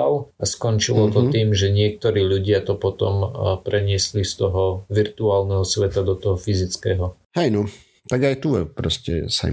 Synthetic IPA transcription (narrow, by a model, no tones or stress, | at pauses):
laskɔnt͡ʃilɔt̪ɔt̪iːmʒɛɲɪɛk̚t̪ɔɾiːʎuɟɪat̪ɔpɔt̪ɔ̰mpɾɛɲɪɛslist̪ɔɦɔʋiɾt̪uaːlnɛɦɔsʋɛt̪ad̪ɔt̪ɔɦɔfizit͡skɛːɦɔ | hɛjnɔ | t̪aɡajt̪uɛpɾɔscɛ̰sa̰